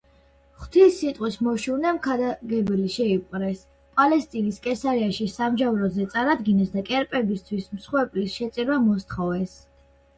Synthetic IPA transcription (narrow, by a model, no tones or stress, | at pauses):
χt̪ʰisːit̪ʼqʼwismɔʃuvnɛmkʰad̪aɡɛbiliʃɛipʼqʼɾɛs | pʼalɛst̪ʼiniskʼɛsaɾiaʃisamʒavɾɔzɛt̪sʼaɾad̪ɡinɛsd̪akʼɛɾpʼɛbist̪ʰwismsχwɛɾpʼlisʃɛt̪sʼɛɾamɔst̪ʰχɔvɛs